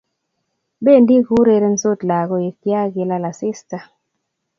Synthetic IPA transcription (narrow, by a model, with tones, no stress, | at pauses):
be˦˨ndi˦ɡu˦ɾe˨ɾe˦n̩˦so˦˨tla˨ɣɔ˦je˨kja˦ɡi˨la˦la˨si˦sta˨